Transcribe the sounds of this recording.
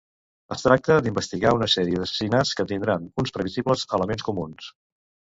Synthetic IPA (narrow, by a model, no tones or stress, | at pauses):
əst̪ɾak̚t̪əd̪imbəst̪iɣaunəsɛɾiəðəsə̥sinaskət̪ind̪ɾanunspɾəβizibləzələmenskumuns